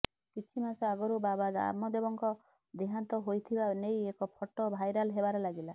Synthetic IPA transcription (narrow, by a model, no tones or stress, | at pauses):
kit͡ʃʰimasɔaɡɔɾubabad̪a̰mɔd̪ebɔŋkɔ | d̪eɦant̪ɔɦojt̪ʰibanejekɔpʰɔʈɔbʱajɾalɦebaɾɔlaɡila